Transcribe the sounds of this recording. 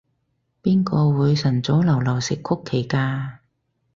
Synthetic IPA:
piː˥nkɔː˧wuː˨˧jsɐ˨˩nt͡sɔ˨˥wlɐ˨˩wlɐ˨˩wsɪ˨kʰːʊ˥kʰːe˨˩jkaː˧

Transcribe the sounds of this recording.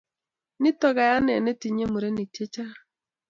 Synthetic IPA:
nɪ˦tɔ˨ɣa˨ja˦nɛ˨nɛ˦ti˨ɲe˦mu˨ɾe˦ni˨te˦t͡ʃa˦

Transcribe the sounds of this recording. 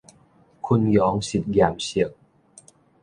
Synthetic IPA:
kʰu˧njɔː˨˦ŋsi˨˩t̪̚jaː˨˩msi˨˩ək̚

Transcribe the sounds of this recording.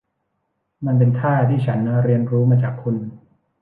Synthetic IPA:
ma˧np̬e˧nt̪ʰaː˥˩t̪ʰiː˥˩t͡ɕʰa˦˥n˥ɾi˧ənɾuː˦˥maː˧t͡ɕaː˨˩k̚pʰu˧n

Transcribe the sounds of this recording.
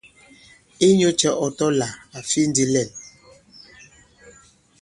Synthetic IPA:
i˦ɲo˦t͡ʃɛ˨ʔɔ˨tɔ˦la˨a˨fi˦n̩˦di˦lɛ˦˨n

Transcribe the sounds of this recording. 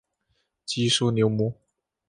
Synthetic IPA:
t͡ɕi˥ʂu˥njo˧˥ʊmɔ˧˥

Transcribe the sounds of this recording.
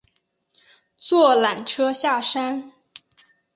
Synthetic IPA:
t͡swɔ˥˩la˨˩nʈ͡ʂʰɤ˥ɕja˥˩ʂa˥n

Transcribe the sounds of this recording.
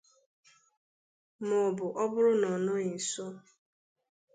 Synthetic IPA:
mɔ˨bʊ˨ʔɔ˦bʊ˦ɾʊ˦nɔ˨nʊ˦i˨so˦

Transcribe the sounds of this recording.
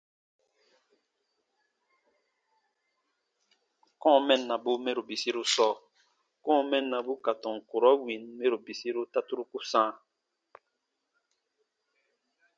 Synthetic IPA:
kɔ̃˦˨mɛ˦˨nːa˨bu˦me˦ɾo˨bi˨si˦ɾu˦sɔ˦˨ | kɔ̃˦mɛ˦˨nːa˨bu˦ka˨tɔ̃˨ŋ˨ku˨ɾɔ˦wi˨nme˦ɾo˨bi˨si˦ɾu˦ta˦tu˦ɾu˦ku˦sã˦

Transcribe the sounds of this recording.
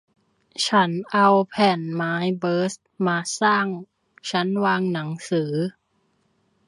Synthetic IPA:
t͡ɕʰa˦˥nʔa˧wpʰɛː˨˩nmaː˦˥jbɤː˦˥st̪̚maː˧saː˥˩ŋ | t͡ɕʰa˦˥nwaː˧ŋna˩˦ŋsɯː˩˦

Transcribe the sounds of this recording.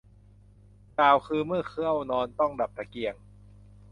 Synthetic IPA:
kaː˨˩wkʰɯː˧mɯ˥˩ɐkʰɯ˥˩əwnɔː˧nt̪ɔ˥˩ŋda˨˩p̚t̪ʰa˧ki˧əŋ

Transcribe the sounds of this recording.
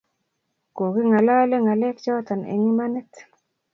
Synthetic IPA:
ko˨ki˦ŋa˨la˦le˦ŋa˨lɛ˦kt͡ʃɔ˦t̪a˨nḛ˨ŋi˦ma˦nɛ˦t

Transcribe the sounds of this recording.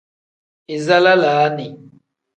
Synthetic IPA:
i˨za˦la˦la˨˦ni˨

